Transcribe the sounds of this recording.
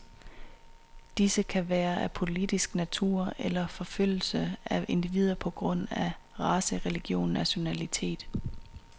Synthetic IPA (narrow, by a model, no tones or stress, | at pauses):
d̥isəkʰæʋæːɐʔæpʰo̝lid̥isɡ̥næt͡sʰṵɐ̰elɐfɒ̽føl̰l̩səæʔe̝nd̥iʋiːð̞ˠɐpʰɒ̽ɡ̥ʁɔ̽n̰æ | ʁɑ̈səʁɛliɡ̥jo̝̰ːnːæɕo̝nælit͡sʰe̝̰ːd̥